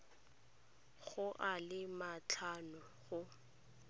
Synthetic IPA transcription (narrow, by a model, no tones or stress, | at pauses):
ɣʊʔalɪmat͡ɬʰanʊɣʊ